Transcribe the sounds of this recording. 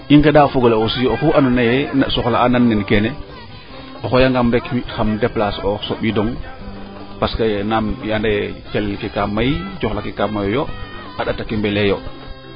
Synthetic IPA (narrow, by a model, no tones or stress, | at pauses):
ʔiŋkedafoɡolaosijoxuʔanɔnajɛasɔxlaananːɛnkɛnɛ | ɔxojaŋɡamɾɛkmixamdɛplasɔsoɓidɔŋ | paskanamjandat͡ʃalɛlkikamːajt͡ʃɔxlakikamːajojo | aɗatakimbɛlɛjo